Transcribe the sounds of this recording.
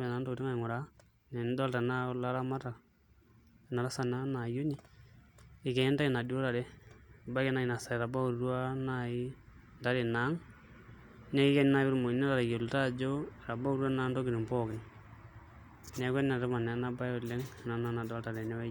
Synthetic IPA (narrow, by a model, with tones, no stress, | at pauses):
ɛ˨na˨˦ndo˦ɾi˦ŋa˦i˨ŋʊ˨ɾa˨ | nɛ˨n˦dɔ˦lta˨na˦la˦ɾa˦ma˦ta˨ | na˨ɾa˦sa˨na˦na˨jo˦ɲi˦ | ɪ˨kɛ˨˦nda˦i˨na˨do˦ɾa˨ɾɛ˦˨ba˦kɛ˦na˦i˨na˨sa˨i˨ɾa˨ba˦u˨ɾu˦a˦nai˦ | nda˦ɾɪ˨na˨˦ŋ | nɛ˦kɪ˦kɛ˦n˦na˦bɪɾmo˨na˦a˨ɾa˨jo˨lta˦d͡ʒo˦˨ɾa˨ba˦u˨ɾwa˦na˦ndo˦ɡɪ˨ɾi˨mpɔ˦kɪ˨n | nɛ˦kɛ˦na˨ɾɪ˦ma˨nɛ˨˦na˦ba˦ʊ˨lɛ˦ŋ˨na˨na˦na˨dɔ˦lta˨ɾɛ˨nɛ˦wɛ˦